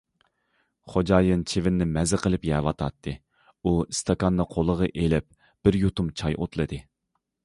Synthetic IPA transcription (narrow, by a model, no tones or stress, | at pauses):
χod͡ʒɑːjɨnt͡ʃʰevɪnːɪmɛzɪqʰəlˠɪpjɛːwɑt̪ʰɑt̪ʰːɨ | uist̪ʰɑkɑnːɨqʰolˠəʁəʔelɪp̚ | b̥ɪɾjut̪umt͡ʃʰɑjʔo̰t̪lˠɨd̪ɨ